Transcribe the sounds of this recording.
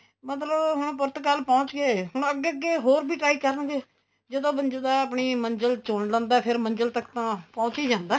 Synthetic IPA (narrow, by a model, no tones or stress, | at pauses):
mət̪ləbɦõpʊɾt̪kaːlpɔ̃ːt͡ʃɡeːɦʊɳ̃əɡːeːəɡːeːɦoːɾbʱiːʈɾaːiːkəɾənɡeː | d͡ʒəd̪õːbənd͡ʒed̪aːəpɳiːməɲd͡ʒəlt͡ʃoːɳlɛ̃ːnd̪aːpʰɪɾmə̃ɲd͡ʒəlt̪əkt̪ãːpɔ̃ːt͡ʃiːd͡ʒãːnd̪aː